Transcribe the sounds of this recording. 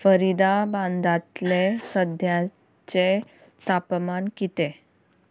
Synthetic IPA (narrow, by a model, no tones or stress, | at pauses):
fəɾid̪abãnd̪ʱat̪lesəd̪ʱja | t͡ɕe | t̪apmankit̪e